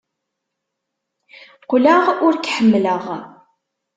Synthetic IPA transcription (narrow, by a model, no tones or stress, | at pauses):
qlaʁʊɾkħəmːləʁ